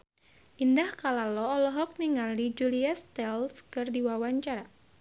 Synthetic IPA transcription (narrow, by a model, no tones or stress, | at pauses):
ʔindahkalalɔːlɔɦɔk̚niŋalid͡ʒuliast̪ɛlskɨrdiwawaɲt͡ʃaɾa